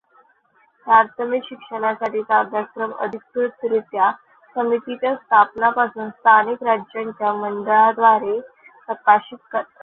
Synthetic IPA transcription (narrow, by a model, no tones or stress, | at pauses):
paɾt̪ʰəmikɕikʂəɽ̃asaʈiːsabd̪ʱakɾəmə̰d̪ʱikkɾut̪ɾut̪ja | səmit̪it͡ɕjast̪ʰapnapasuːnst̪ʰanikɾad͡ʑjaɲt͡ɕjamənd̪əɭad̪ʋaɾe | pɾəkaɕit̪kəɾt̪